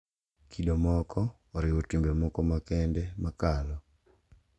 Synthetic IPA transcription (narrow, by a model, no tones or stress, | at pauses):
kʰiɗomɔkɔː | ɾɪwɔtwimbɛmɔkɔmakɛndɛmakalɔ